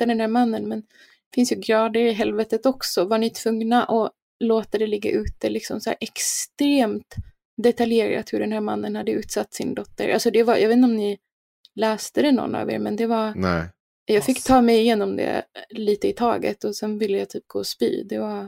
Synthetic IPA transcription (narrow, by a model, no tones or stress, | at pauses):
ad̪ɛnhæːɾmanːənmɛn | ɛfɪnsjɵɡɾɑːd̪əɾɪɦɛlvɛt̪ət̪ɔksɔvaɳɪt̪ʰv̥ɵŋnaʔɔ | loːt̪ad̪ɛlɪɡːa̰ʔʉ̟ːt̪əlɪksɔ̰msæ̰ːɾʔɛkst̪ɾeːmt̪ | d̪ɛt̪aljeːɾa̰t̪hɵɖɛnhæːɾmanːənhad̪ːəʉ̟ːt̪sat̪ːsɪ̰nd̪ɔt̪ːə̰ɾʔalsɔd̪ɛvajɑ̰ɡveːt̪nɔmnɪ | lɛːst̪əd̪ɛnɔ̰nːa̰vḛːɾmɛnd̪ɛvan | jɑːɡfɪkːt̪ʰɑːmɛjɪjeːnɔmd̪ɛ̰liːt̪əɪt̪ʰɑ̰ːɡə̰t̪ɔsɛnvɪlːəjat̪ʰyːp̚ɡo̰ːɔspy̰ːd̪ɛva